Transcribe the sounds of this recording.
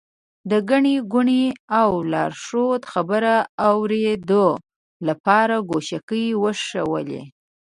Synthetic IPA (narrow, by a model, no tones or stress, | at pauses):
d̪əɡaɳeɡʊɳeawlɑɾʂot̪xabəɾaːwɾed̪o | lapɑɾaɡoʃakəjwəʂəwə̰lḛ